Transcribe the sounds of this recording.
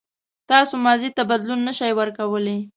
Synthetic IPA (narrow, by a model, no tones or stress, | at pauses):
t̪ɑsomɑzit̪abad̪lunːəʃajwəɾkawəle